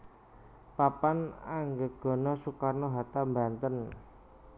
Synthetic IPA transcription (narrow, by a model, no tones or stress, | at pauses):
papanaŋɡəɡ̥ɔ̤nɔsukarnoɦat̪amba̤nt̪ən